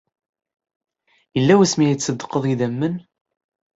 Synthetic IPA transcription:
jəlːæwæsmiæjt͡sːəd̪ːə̥qːəðˤiðæmːən

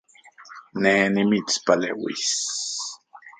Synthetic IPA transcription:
neːnimit͡spalḛwḭs

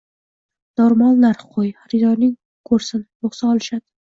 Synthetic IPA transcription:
noɾmalˠnaɾχqʰojhaɾɪd̪ɒɾnɪŋ | kʰɵɾsɪnjoχsaɒlˠɪʃad̪̥ɪ

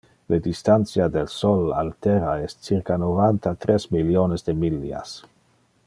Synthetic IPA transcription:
led̪ist̪ant͡sjad̪elsola̰lt̪eɾaestt͡siɾkanovant̪at̪ɾesmiljonezd̪emilːia̰s

